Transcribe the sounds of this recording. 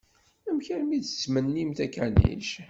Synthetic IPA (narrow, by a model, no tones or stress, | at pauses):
æmçəɾmidə̥t͡sːmənːimt̪ækænḭʃ